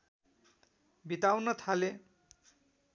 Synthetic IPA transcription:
bit̪awnʌt̪ʰale

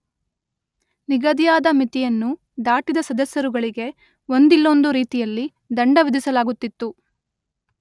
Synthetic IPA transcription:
niɡɐd̪ijaːd̪ɐmit̪ijɐnːu | d̪aːʈid̪ɐsɐd̪ɐsjɐɾuɡɐɭiɡe̞ | o̞nd̪ilːo̞nd̪uɾiːt̪ijɐlːi | d̪ɐɳɖɐʋid̪isɐlaːɡut̪ːit̪ːu

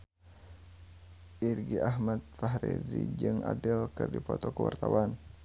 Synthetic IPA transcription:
ʔirɡiʔaɦmat̪̚faɦɾɛzid͡ʒɨŋʔadəlkɨrdipɔt̪ɔkəwart̪awan

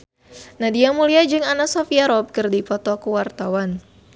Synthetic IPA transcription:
nahdiamuliad͡ʒɨŋanasɔfiaɾɔb̚kɨrdipɔt̪ɔkuwart̪awan

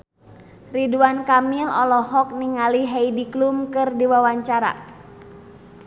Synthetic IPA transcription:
riduankamilɔ̰lɔɦɔk̚niŋaliɦɛidiklumkɨrdiwawaɲt͡ʃaɾa̰

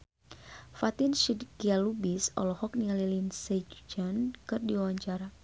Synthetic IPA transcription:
fat̪inʃidkialubisɔ̰lɔhɔk̚niŋalilinsed͡ʒud͡ʒankɨrdiawaɲt͡ʃaɾa

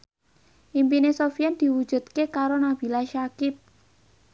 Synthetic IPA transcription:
ʔimpinesofiɛnd̪̥i̤wud̥ʒ̥ṳt̪kekaɾonab̥i̤laʃakɪt̪̚

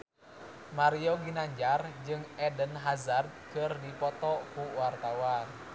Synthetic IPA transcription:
maɾiɔɡinaɲd͡ʒard͡ʒɨŋɛdənɦazard̪̚kɨrdipɔt̪ɔkuwart̪awan

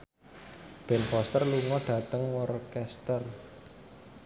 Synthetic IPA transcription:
b̥ɛnfɔst̪ərluŋɔɖ̥ä̤t̪əŋwɔrkɛst̪ər

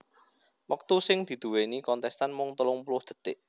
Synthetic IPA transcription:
wək̚t̪usɪŋd̪̥i̤d̪̥ṳwenikɔnt̪ɛst̪anmʊŋt̪əlʊŋpulʊhd̪̥ə̤t̪ɪʔ

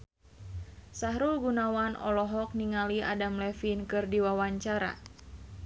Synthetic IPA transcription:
saɦɾulɡunawanɔ̰lɔɦɔk̚niŋalia̰damlɛfinkɨrdiwawaɲt͡ʃaɾa̰

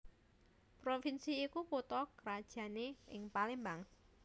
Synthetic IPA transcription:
pɾofinsiːkuput̪ɔkəɾad̥ʒ̥ä̤neɪŋpalembaŋ

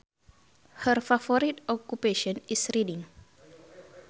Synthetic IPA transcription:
hərfafɔɾitɔkupeʃɔ̃nisɾidiŋ

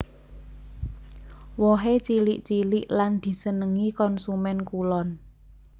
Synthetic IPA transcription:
wɔɦet͡ʃiliʔt͡ʃilɪʔland̪̥i̤sənəŋikɔnsumɛnkulɔn

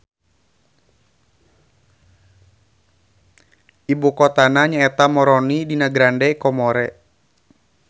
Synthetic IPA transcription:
ʔibukɔt̪anaɲaɛt̪amɔɾɔnidinaɡɾandɛkɔmɔɾɛ

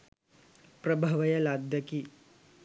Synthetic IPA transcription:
pɾɐbʱɐʋɐjɐlad̪ʱjɐki

